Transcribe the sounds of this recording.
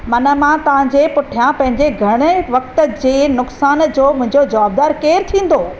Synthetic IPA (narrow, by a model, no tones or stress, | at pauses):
mɐnə̆mãt̪ɐʋ̤ãɲd͡ʑeːpʊʈʰijãpɐ̃ɦɪ̃ɲd͡ʑeɡʱɐɽ̃əʋɐk̚t̪ə̆d͡ʑeːnʊksaːnd͡ʑoːmʊ̃ɦɪ̃ɲd͡ʑod͡ʑɐʋaːb̚d̪aːɾkeːɾt̪ʰĩːn̆d̪oː